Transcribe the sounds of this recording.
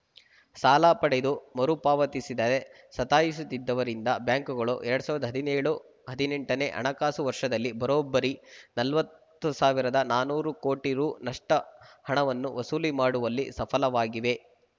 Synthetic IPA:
saːlaːpɐɽed̪umɐɾupaːʋɐt̪isid̪ɐde | sɐt̪aːjis̬ut̪ːid̪ːɐʋɐɾind̪ɐbjaːŋkuɡɐɭṵʔɛɾɐɽusaːʋɾɐd̪ɐɦɐd̪ineːɭu | ɦɐd̪ineɳʈɐneːʔɐ̰ɳɐkaːsuʋɐɾʂɐd̪ɐlːibɐɾoːbːɐɾinɐlʋɐt̪ːusaːʋiɾɐd̪ɐnaːnuːɾukoːʈiɾuːnɐʂʈɐhɐɳɐʋɐnːuʋɐsuːlimaːɽuʋɐlːisɐpʰɐlɐʋaːɡiʋe̞

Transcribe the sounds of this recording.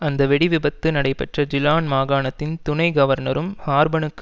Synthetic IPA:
ɐnd̪ɐʋɛɽɪʋɪbɐt̪ːɯnɐɽɐɪpɛʈrɐd͡ʒɪlaːnmaːɣaːɳɐt̪ːɪnt̪ʊnɐɪɡɐʋɐɾnɐɾɯmhaːɾbɐɳɯkkː

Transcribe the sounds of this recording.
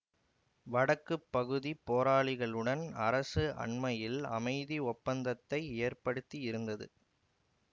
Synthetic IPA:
ʋɐɽɐkːɯpːɐɣɯðipːoːɾaːɭɪɣɐɭɯɽɐnɐɾɐsɯʔɐ̰ɳmɐjɪlɐ̰mɐɪðiɔpːɐnd̪ɐt̪ːɐɪeːrpɐɽɯt̪ːiɪɾɯnd̪ɐðɯ̰

